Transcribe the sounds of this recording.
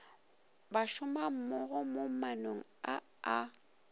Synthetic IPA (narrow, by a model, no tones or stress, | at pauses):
baʃʊmam̩mʊɣʊmomanoŋ̩a | a